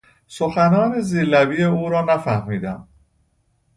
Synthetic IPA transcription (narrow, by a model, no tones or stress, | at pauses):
soxænɒːneziːlæbiːjeuːɾɒːnæfæhmiːd̪æm